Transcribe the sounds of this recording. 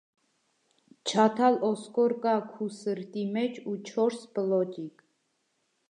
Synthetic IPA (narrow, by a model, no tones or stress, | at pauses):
t͡ʃʰat̪ʰalɔskʼɔɾkʼakʰusəɾt̪ʼimɛt͡ʃʰut͡ʃʰɔɾsblɔd͡ʒikʼ